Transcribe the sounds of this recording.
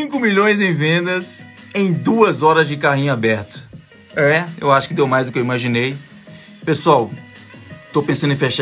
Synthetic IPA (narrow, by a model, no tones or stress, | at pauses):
ĩŋkʊmiʎõj̃zẽj̃vẽd̪ɐs | ẽj̃d̪uɐzɔɾɐzd͡ʒɪkaɦĩɲʊabɛɾt̪ʊ̥ | ɛḛwaʃʊ̥kɪd̪ewmajzd̪ʊkɪewimaʒĩnej | pesuaw | t̪owpẽsɐ̃d̪ʊẽfeʃa